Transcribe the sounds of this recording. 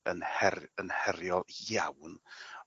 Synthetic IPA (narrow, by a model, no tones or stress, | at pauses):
ənhɛrənhɛɾjɔlˠjawn